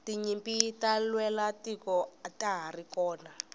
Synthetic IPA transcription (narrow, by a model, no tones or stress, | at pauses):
tiɲimpitalwɛlatikɔataɦarikɔːna